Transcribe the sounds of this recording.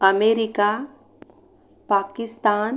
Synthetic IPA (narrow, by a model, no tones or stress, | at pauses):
ɐmeːɾɪka | paːkɪst̪aːn